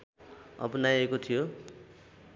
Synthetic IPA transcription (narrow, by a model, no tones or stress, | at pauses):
ʌ̰pʌnajekot̪ʰijo